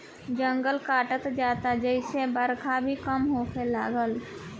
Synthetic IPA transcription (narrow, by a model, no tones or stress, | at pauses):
d͡ʒə̃ŋɡəlkaːʈət̪d͡ʒaːt̪ad͡ʒəɪsebəɾkʰabʱikəmɦoːselaːɡəl